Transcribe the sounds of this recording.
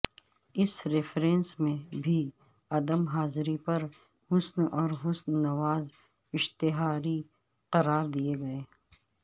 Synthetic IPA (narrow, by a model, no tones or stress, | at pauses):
ɪsɾɪfʰɾẽːnsmẽbʱi | ɐd̪əmɦaːzɾipɐɾ | hʊsnɔːɾɦʊsnːɐʋaːz | ɪʃt̪ɪɦaːɾi | qɐɾaːɾd̪ieɡɐeː